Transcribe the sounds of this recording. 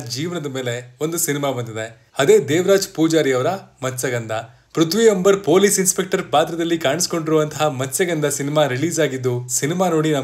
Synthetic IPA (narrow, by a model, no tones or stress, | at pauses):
d͡ʒiːʋɐnɐd̪ɐmeːle̞o̞nd̪usinimaːbɐnd̪id̪e̞ | ɐd̪e̞ːd̪eːʋɐɾaːd͡ʒpuːd͡ʒaːɾijɐʋɐɾɐmɐsɐɡɐnd̪ɐ | pɾut̪ʰʋiɐmbɐɾpoːlisinspek̚ʈɐɾbaːd̪ɾɐd̪ɐlːikaːɳisi̥ko̞ɳɖiɾuːʋɐnt̪ʰɐɦɐmɐsɐɡɐnd̪ɐsinimaːɾiɭiːzaːɡid̪ːusinimaːno̞ːɽinɐ